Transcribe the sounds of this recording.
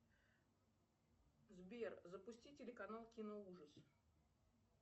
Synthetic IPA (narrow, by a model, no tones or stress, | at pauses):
zbʲerzəpʊsʲtʲitʲɪlʲɪkɐnalˠkʲɪnəuʐəs